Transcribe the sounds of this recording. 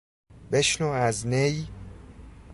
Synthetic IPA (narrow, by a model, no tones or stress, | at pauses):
beʃnoæznej